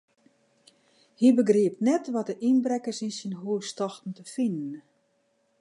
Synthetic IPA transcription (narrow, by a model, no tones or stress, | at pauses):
hibəɡriəp̚tnɛtʋɔt̚dəʔinbrɛkəsinsinɦuəstɔxtn̩təfinən